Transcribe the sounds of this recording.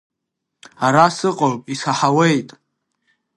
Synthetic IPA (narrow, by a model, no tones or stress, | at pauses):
aɾasɨqʼɔpʼisaħawɛjt̪ʼ